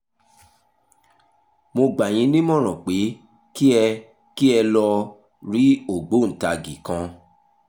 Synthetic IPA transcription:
mo˧ɡ͡ba˨j̃ĩ˧˦nĩ˦mɔ̃˦˨ɾ̃ɔ̃˨k͡pe˨˦ | ki˦ɛ˧ | ki˦ɛ˧lɔ˧ | ɾi˨˦o˦˨ɡ͡bo˨˦n̩˨ta˧ɡi˨kã˧

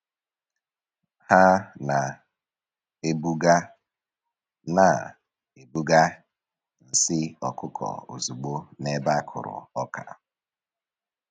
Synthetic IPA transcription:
ha˦na˨ | e˦bu˦ɡa˦ | na˨ | e˨bu˦ɡa˦ | n̩˨sɪ˦ɔ˨kʊ˦kʰɔ̰˨o̰˨zu˨ɡ͡bo˦ne˦ba˦kʰʊ˨ɾʊ̰˨ɔ˦kʰa̰˨

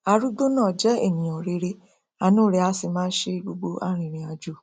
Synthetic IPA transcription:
a˨ɾu˦do˦nãː˦˨d͡ʒɛ˦ḛ˦˨nĩ˨ɔ˨ɾe˨ɾe˦ | a˨nũ˦ɾe˨˦a˧˦sɪ˨mãː˦n̩˦ʃe˦ɡ͡bo˧ɡ͡bo˧ʔa˦ɾ̃ĩ˨ɾ̃ĩ˨˦a˧d͡ʒu˦˨

